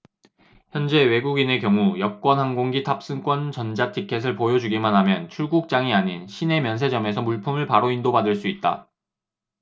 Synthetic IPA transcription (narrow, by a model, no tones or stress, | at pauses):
çjʌnd͡ʑe̞we̞ɡuɡine̞kjʌŋujʌp̚k͈wʌnɦaŋɡoŋɡitʰap̚s͈ɯnk͈wʌnt͡ɕʌnd͡ʑatʰikʰe̞s̬ʰɯɭpojʌd͡ʑuɡimanɦamjʌnt͡ɕʰuɭɡuk̚t͡ɕ͈aŋiaɲinɕʰine̞mjʌns̬ʰe̞d͡ʑʌme̞sʰʌmuɭpʰumɯɭpaɾoindobadɯɭs͈uit̚t͈a̰